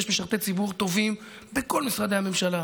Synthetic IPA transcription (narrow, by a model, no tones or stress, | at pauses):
ʃmeʃaʁt̪et͡sibuʁt̪o̞vim | beko̞lmisʁad̪e̞ame̞mʃala